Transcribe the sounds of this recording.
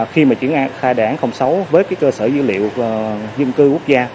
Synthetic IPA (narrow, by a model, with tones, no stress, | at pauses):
xi˧maː˨˩t͡ɕwi˧˩ənʔaː˧˦xaː˧jɗaː˧˨˦nxə˧wŋ͡msə˨˦wvəː˨˦jkaː˨˦jkəː˧səː˧˩zɨ˨˦lḭ˧˨ə˨wzɨ̰˧˨nkɨ˧ku˦˥k̚zaː˧